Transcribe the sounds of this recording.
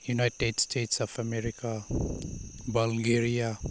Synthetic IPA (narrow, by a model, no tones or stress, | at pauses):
junajtedstʰeʈsɔpʰameɾika | balɡeɾija